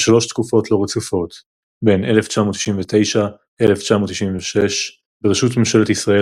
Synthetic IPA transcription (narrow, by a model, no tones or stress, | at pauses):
ʃalo̞ʃt̪kufo̞t̪lo̞ʁet͡sufo̞t̪ | be̞ne̞left͡ʃamot̪ːi̥ʃimvet̪e̞jʃa | ʔe̞left͡ʃamot̪ːiʃimveʃeʃ | beʁeʃut̪memʃe̞let̪isʁae